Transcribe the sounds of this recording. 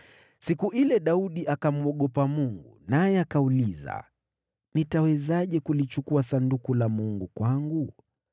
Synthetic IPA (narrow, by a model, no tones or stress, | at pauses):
sikuʔilɛɗauɗiʔakamuɔɠɔpamuŋɡunajɛakauliza̰ | nitawɛzaʄɛkulit͡ʃukuasandukulamuŋɡukwaŋɡu